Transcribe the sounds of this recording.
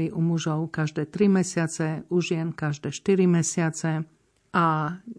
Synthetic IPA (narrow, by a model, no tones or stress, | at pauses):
iʔumuʒɔʊkaʒd̪ɛːt̪ɾimɛsɪat͡sɛuʒɪɛnkaʒd̪ɛːʃt̪iɾimɛsɪat͡sɛ | ʔa